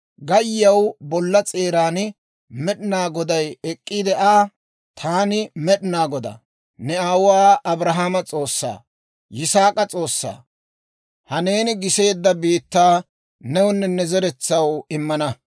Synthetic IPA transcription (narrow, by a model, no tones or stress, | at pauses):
ɡɐjːɐwbɔlːɐt͡sʼe̞ːɾaːn | mɛɗɪnaːɡɔd̪ɐjɛkʼːid̪ɛʔaː | t̪ʰaːnɪmɛɗɪnaːɡɔd̪ɐ̰ | nɛaːwʊwaːʔɐbɾɐɦamɐt͡sʼo̞ːsːa̰ː | jɪsaːkʼɐt͡sʼo̞ːsːa̰ː | hɐne̞ːnɪɡɪse̞ːd̪ːɐbiːt̪ːaː | nɛwʊnːɛnɛzɛɾɛt͡sːɐwɪmːɐnɐ